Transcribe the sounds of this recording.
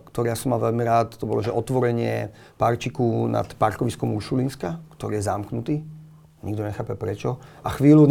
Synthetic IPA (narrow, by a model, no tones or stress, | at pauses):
kt̪ɔɾijasɔmːalʋɛʎmiɾaːt̪t̪ɔbɔlɔʒɛʔɔt̪ʋɔɾɛɲɪɛ̰ | paɾt͡ʃikuna̰t̪paɾkɔʋiskɔmuʃulinskakt̪ɔɾiːjɛzamknut̪iː | ɲiɡd̪ɔɲɛxaːpɛpɾɛt͡ʃɔaxʋiːlun